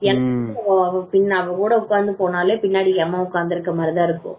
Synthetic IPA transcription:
ɛnɐkːɐpɪnːɐʋɐkuːɽɐʊkːaːɾnd̪ɯpoːnaːleːpɪnːaːɽɪkɛmːaːʊkːaːɾnd̪ɪɾɯkːɐmɐɾɪðãːɪɾɯkːʊ̰̃

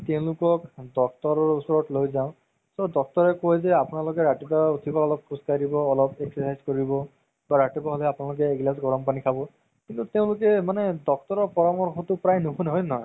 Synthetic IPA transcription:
teʊ̃lʊkɔkdɔk̚tɔɹɔɹusɔɹɔtlojzaʊ̃ | sɔdɔk̚tɔɹɛkojzɛapunalʊkɛɹatibautʰibɔɔlɔp̚kʰuskaɹibɔːlɔpeksɔsajzkoɹibɔ | baɹatibaɦolɛapʊnalʊk̬ɛːɡlasɡɔɹɔmpanikʰabɔ | kintuteʊ̃lʊkɛmanɛdɔk̚tɔɹɔɹpɔɹɔmɔɹxʰɔtʊpɹajnʊɦunɦɔjnɔɦj

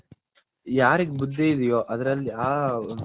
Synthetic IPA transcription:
jaːɾiɡbud̪ʱːeid̪ijoːʔɐd̪ɐɾɐlːiaː

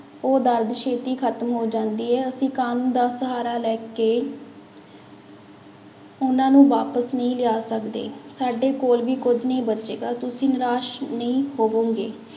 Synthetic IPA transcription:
oːd̪əɾd̪ʃʰeːt̪iːkʰət̪mɦoːd͡ʒãːnd̪iːɦɛːəsĩːkaːnũːnd̪aːsəɦaːɾaːlɛːkeː | ʊnãːnũːʋaːpəsnəĩːlɪaːsəkd̪ḛːsaːɖeːkoːlʋiːkʊd͡ʒnəĩːbətːʃeːɡaːt̪ʊsĩːnɪɾaːʃnəĩːɦoːʋoːɡeː

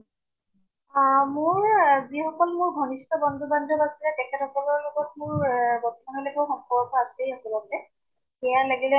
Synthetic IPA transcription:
mʊɹzixɔkɔlmʊɹɡʱɔnistɔbɔndʱubandʱɔbasilɛtɛkʰɛtɔkɔlɔɹlɔɡɔt̚mʊɹbɔtɔmanɔlekowxɔŋkʰɔbɔtɔasɛakɔlɔbɛ | ɛjalaɡilɛ

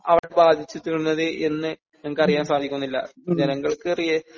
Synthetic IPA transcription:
ɐʋiɽebaːd̪ʱit͡ɕːut̪ːiɾunːɐðɨʔe̞nːɨ | ɐŋkːɐrijaːnsaːd̪ʱikʲːunːilːɐ̰d͡ʑɐnɐŋːɐɭkɨrijɐ

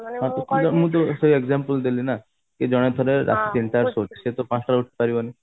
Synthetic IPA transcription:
ɦãt̪okud͡ʒɔmũt̪̬osoieɡzampəld̪elina | ked͡ʒɔɽ̃et̪ʰɔɾeɾʔa̰sisiɳʈaɾsot͡ʃi̥set̪opãsɾauʈ̚ʰpaɾibɔni

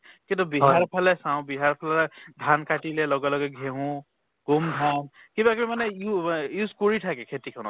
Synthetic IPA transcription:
kit̪ɔbiɦaɹpʰalɛsaw̃biɦaɹpʰalɛld̪ʱankaʈilelɔɡɔlɔɡɛɡʱeɦũ | ɡ̥umd̪ʱan | kibakmimanɛjujuzkɔɹiʈʰakɛkʰet̪ikʰɔnɔ̰

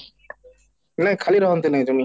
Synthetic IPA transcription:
nɛkʰaliɾɔɦɔnt̪enaj̃t̪umi

